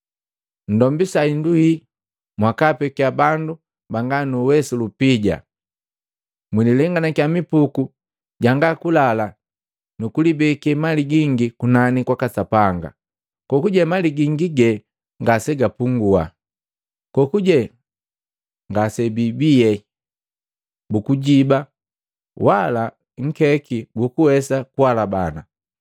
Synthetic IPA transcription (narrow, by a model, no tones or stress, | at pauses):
n̩dɔmbisainduhi | mwakapɛkiabandu | baŋɡanuwɛsulupiɟa̰ | mwililɛŋɡanakjamipuku | ɟaŋɡakulala | nukulibɛkɛmaliɡiŋɡikunanikwakasapaŋɡa̰ | kɔkuɟɛmaliɡiŋɡiɡɛ | ŋɡasɛɡapuŋɡua̰ | kɔkuɟɛ | ŋɡasɛbibijɛ | bukuɟiba | wala | ŋ̩kɛkibukuwɛsakuwalabana